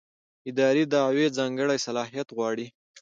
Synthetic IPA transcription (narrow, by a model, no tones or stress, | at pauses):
ɪd̪ɑɾid̪ɑːwed͡zɑŋɡəɽajsalɑɦijat̪ɣwɑɽi